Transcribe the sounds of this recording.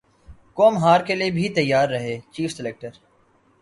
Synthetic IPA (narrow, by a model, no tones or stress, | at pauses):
koːmɦaːɾkeliebʱit̪ɐjːaːɾːɐɦeːt͡ʃiːfsɪleːk̚ʈəɾ